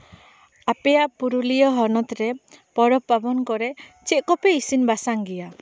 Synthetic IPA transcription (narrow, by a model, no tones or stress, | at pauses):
apɛjaʔpuɾulijɔɦɔnɔt̪ɾɛpɔɾɔpːabɔnkɔɾɛt͡ʃɛt̪̚kɔpɛisinbasaŋɡija